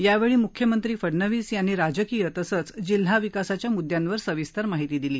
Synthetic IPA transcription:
jaʋeɭiːmukʰjəmənt̪ɾiːfəɽnəʋiːsjanːiːɾad͡ʑəkiːjət̪əsət͡sd͡ʑil̤aʋikasat͡ɕjamud̪janʋəɾsəʋist̪əɾmaɦit̪iːd̪iliː

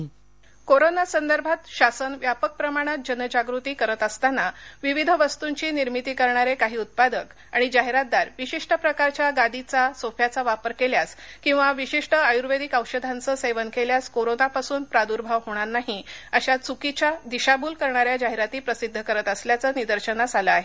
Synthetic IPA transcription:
koɾonasənd̪əɾbʱat̪ɕasənʋjapək̚pɾəmaɽ̃at̪̚d͡ʑənəd͡ʑaɡɾut̪iːkəɾət̪əst̪anaʋiʋid̪ʱəʋəst̪uɲt͡ɕiːniɾmit̪iːkəɾɳ̃aɾekaɦiːut̪̚pad̪ək | aɽ̃id͡ʑaɦeɾat̪̚d̪aɾʋiɕiʂʈəpɾəkaɾt͡ɕjaɡad̪it͡sasofʰjat͡saʋapəɾkeljaskĩw̃ʋaʋiɕiʂʈəajuɾʋed̪ikəwɕəd̪ʱant͡səːseʋənkeljaskoɾonapasuːnpɾad̪uɾbʱaʋɦoɽ̃aɾnaɦiəɕat͡sukit͡ɕjad̪iɕabuːlkəɾɳaɾjad͡ʑaɦeɾat̪iːpɾəsid̪ʱːəkəɾət̪əsljat͡səːnid̪əɾɕənad͡zaləaɦe

